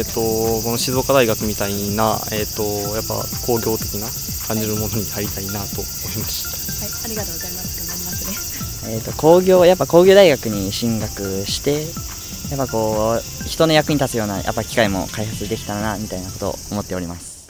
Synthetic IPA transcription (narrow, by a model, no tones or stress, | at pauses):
t̪ːo̞ko̞no̞ɕizo̞kad̪aiɡakɯ̟mʲit̪aina̰et̪ːo̞japːa̰kʰo̞ːɡʲo̞ːt̪e̞kʲina | kʰãɲ̟d͡ʑiɾɯ̟mo̞no̞ɲ̟iaɾʲit̪ainat̪o̞moimaɕi̥t̪ḁ | aɾʲiɡat̪ozaima | aimase | eːt̪ːo̞ko̞ːɡʲo̞ːjap̬ːako̞ːɡʲo̞ːd̪aiɡakɯ̟ɲ̟iɕĩŋɡakɯ̟ɕi̥t̪e̞ | japːako̞ː | çi̥t̪o̞no̞jakɯ̟ɲit̪at͡sɨjo̞ːna̰jʔa̰pːakʲi̥kaimo̞̰kaihat͡sɨd̪e̞kʲi̥t̪aɾanamʲit̪ainako̞t̪o̞̰ːmo̞t̪ːe̞o̞ɾʲimasɨ̥